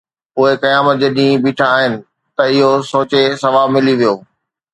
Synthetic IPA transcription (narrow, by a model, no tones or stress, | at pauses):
poːekɐjaːmət̪̚d͡ʑeːɗĩːbiːʈʰãaːɦɪnɪ̆ | t̪ɐɪɦosoːt͡ɕesɐʋaːbmɪliʋijoː